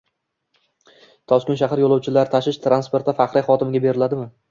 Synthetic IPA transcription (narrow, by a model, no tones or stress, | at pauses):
t̪ʰɒskʲʊnʃaɦaɾjolˠɒwt͡ʃʰɪlaɾt̪ʰaʃɪʃt̪ʰɾanspe̞ɾt̪ːafaχɾajχɒt̪ɪmɪɡʲabe̞ɾɪlad̪ɪmɪ